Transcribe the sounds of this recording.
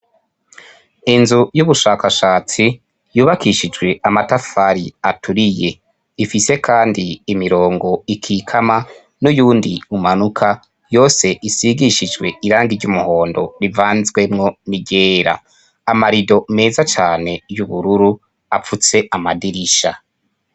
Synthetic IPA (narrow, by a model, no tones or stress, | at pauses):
inzujuβuʃaːkaʃaːt͡si | juːβakʰiʃid͡ʒɡwe̞amatafaɾiatʰuɾije | ifise̞kʰaːndiːmiɾo̞ːŋɡo̞ikʰikʰama | nujuːndiumanukʰa | jo̞ːse̞ʔisiɡiʃid͡ʒɡwe̞iɾaːŋɡiɾɟumuho̞ːndo̞ɾivaːnzwe̞mŋo̞niɟe̞ːɾa̰ | amaɾido̞me̞ːzat͡ʃaːne̞juβuɾuɾu | afut͡se̞ʔamadiɾiʃa̰